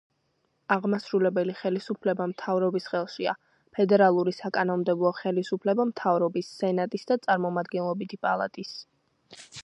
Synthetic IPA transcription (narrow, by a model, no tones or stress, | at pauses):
aʁmasɾulɛbɛliχɛlisupʰlɛbamt̪ʰavɾɔbisχɛlˠʃia̰ | pʰɛd̪ɛɾalˠuɾisakʼanɔnmd̪ɛblˠɔχɛlisupʰlɛbamt̪ʰavɾɔbisːɛnat̪ʼisd̪at̪sʼaɾmɔmad̪ɡɛnlˠɔbit̪ʰipʼalˠa̰t̪ʼis